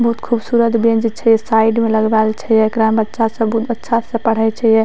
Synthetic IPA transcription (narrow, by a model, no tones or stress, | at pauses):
bɐɦut̪kʰubsuɾəd̪biəd͡ʒit̪̚t͡ʃʰɛjɛsaiɖmeləɡbalt͡ʃʰɛjɛkɾambətːʃasə̃bɦut̪ətːʃʰasə̃pəɽ̤ət͡ʃʰɛjɛ